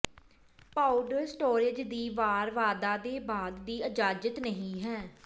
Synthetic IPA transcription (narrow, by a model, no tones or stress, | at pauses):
paːʊɖəɾsʈoːɾɪd͡ʒd̪iːʋaːɾʋaːd̪aːd̪eːbaːd̪ːiːəd͡ʒaːd͡ʒət̪nəɦĩːɦɛː